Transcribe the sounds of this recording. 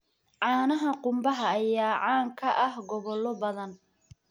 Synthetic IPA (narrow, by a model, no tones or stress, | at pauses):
ʕɑːnɐɦɐqʊmbɐɦɐːjaːʕaːŋkʰɐʔɐhɡɔβɔlːɔbɐðɐn